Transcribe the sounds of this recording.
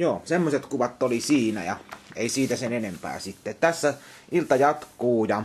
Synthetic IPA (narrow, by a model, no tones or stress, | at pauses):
joːsemːosʲet̪kuʋɑt̪ːolisiːnæ̰jɑeˑisiːt̪æsenenempæ̰ːsit̪ːet̪æsːæ | ilt̪ɑjɑt̪kuːjɑ